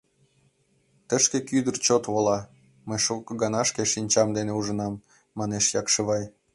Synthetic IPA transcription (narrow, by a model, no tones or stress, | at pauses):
t̪əʃkekyd̪ərt͡ɕot̪βolɑ | məjʃukɤɡɑnɑʃkeʃinʲt͡ɕɑmd̪eneuʒə̆nɑmː | ɑneʃjɑkʃəβɑj